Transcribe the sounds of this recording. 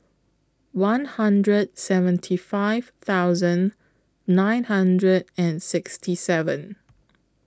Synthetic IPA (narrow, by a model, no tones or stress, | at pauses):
wãnhãndɹəd̚sɛvə̃ntʰifaɪv̥t̪aʊzə̃nː | ãɪ̃nhãndɹədɛ̃nsɪkstʰisɛvə̃n